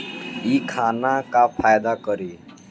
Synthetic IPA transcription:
ikʰaːnakapʰaːjd̪akəɾi

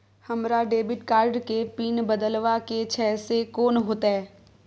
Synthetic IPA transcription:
hɐmɾaɖeːbɪʈkaːɾɖkepiːnbəd̪əlʋaket͡ʃʰɛːsekoːnɦoːt̪aɦɛː

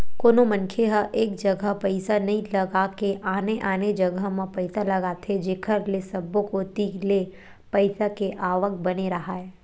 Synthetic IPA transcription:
koːnomɐ̃nkʰeɦəʔeːk̚d͡ʒɐɡʱəɦpɐɪsanɐɦĩlɐɡakeʔaːneʔaːned͡ʒɐɡəɦmãpɐɪsalɐɡat̪ʰed͡ʒeːkʰəɾlesɐbõkot̪iːle | pɐɪsakeʔaːʋəkbɐneɾɐɦaɦɛː

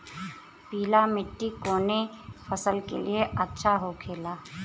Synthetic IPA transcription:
piːlamɪʈːikoːnefɐsəlkḛlieʔɐtːʃʰaɦokʰeːlaː

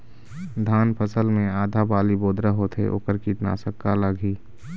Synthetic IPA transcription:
d̪ʱaːnpʰəsəlmẽaːd̪ʱabaːliboːd̪ɾəɦot̪ʰḛʔo̰ːkəɾkit̪na̰ːsəkːaləɡʱiː

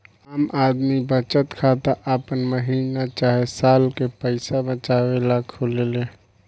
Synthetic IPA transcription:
aːmaːd̪mibət͡ʃət̪kʰaːt̪aʔəpənməɦiːnat͡ʃaːɦesaːlkepəɪsabət͡ʃaːwelakʰoleleː

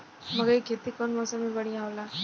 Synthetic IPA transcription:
mɐɡəɾikʰet̪ikɔːnmɔːsəmĩbɐɽ̤ijãɦoːlaː

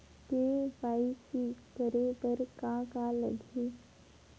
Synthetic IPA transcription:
t̪eʋaːikibəɾebəɾkãkaləɡʱiː

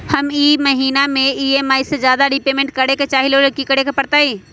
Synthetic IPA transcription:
hɐmiːmɐɦiːnamẽiemaːised͡ʒjaːd̪aɾipeːmẽɳʈ̚kɐɽeket͡ʃaːɦileːlekikɐɽekepɐɽt̪aːiː

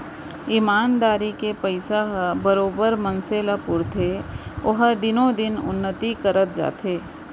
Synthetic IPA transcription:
ɪmaːnd̪aːɾikepəɪsaɦbəɾoːbəɾmə̃nseːlapʊɾt̪ʰeʊɦd̪ɪnõd̪ɪnʊ̰nːət̪ikəɾət̪̚d͡ʒa̰ːt̪ʰeː

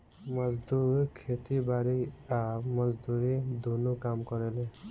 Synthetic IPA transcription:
mɔzd̪uɾkʰet̪ibaɾiamɔzd̪uɾid̪ʱunukamkɔɾɛle

